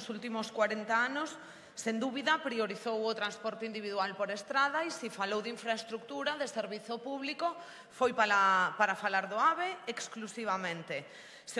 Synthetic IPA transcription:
sult̪imʊskwaɾent̪aanʊsː | end̪uβiðɐpɾioɾiθowʊt̪ɾanspɔɾt̪eind̪iβiðualpoɾest̪ɾað̞aisifalowðiɱfɾaest̪ɾuk̚t̪uɾaðeseɾβiθʊpuβliko | fojpalapaɾafalaɾðoaβeeksklusiβamẽnt̪e | s

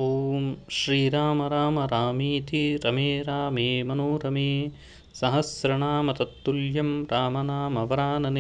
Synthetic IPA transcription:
oːmʃɾiːɾaːmɐɾaːmɐɾaːmiːt̪iɾɐmeːɾaːmeːmɐnuːɾɐmeː | sɐɦɐsɾɐɳaːmɐt̪ɐt̪ːuljɐmɾaːmɐnaːmɐʋɐɾaːnɐn

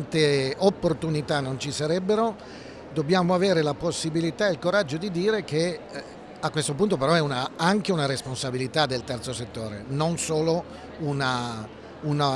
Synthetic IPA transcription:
nt̪eopːort̪unit̪anːont͡ʃisaɾɛbːeɾo | d̪obːjaːmoaveːɾelaposːibilit̪aeilkoɾad͡ʒːod̪id̪iːɾeke | akːwest̪op̬unt̪opeɾɔɛunaaŋkeunaɾesponsabilit̪ad̪elt̪ɛrt̪soset̪ːoːɾḛnonsoːlo | una | una

